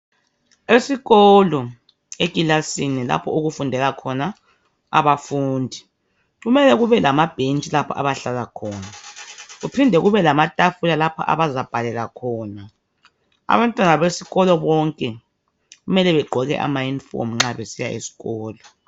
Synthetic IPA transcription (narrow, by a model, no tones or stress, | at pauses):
esiɣɔlɔ | ekʼilasinila̰pʰɔuɣufundʱɛlakʰɔna | a̰βafuːndʱi | ɣumɛlɛɣuβɛlamab̥ʱent͡ʃʼilapʰa̰ʔa̰βaɬalakʰɔːnaɣupʰindʱɛɣuβɛlamatʼafulalapʰa̰ʔa̰βazab̥ʱalɛlakʰɔːna | a̰βantʼwanaβesiɣɔlɔβɔŋkʼɛ | ɣumɛlɛβɛɡ͡ǃʱɔɣɛ̰ʔa̰majinfɔ̰m̩ŋ͡ǁaβesija̰ʔḛsi̥ɣɔːlɔ